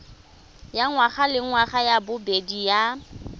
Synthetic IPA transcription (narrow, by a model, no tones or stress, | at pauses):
jaŋwaχalɪŋwaχajabʊbedija